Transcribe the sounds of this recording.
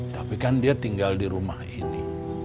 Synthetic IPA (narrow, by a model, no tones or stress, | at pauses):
t̪apikandiat̪iŋɡaldiɾumahini